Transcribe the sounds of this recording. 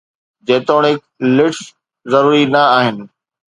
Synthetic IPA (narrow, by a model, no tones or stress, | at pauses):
d͡ʑeːt̪oːɽ̃ɦɪk | lɪʈs | zɐɾuːɾinɐaːɦɪnɪ̆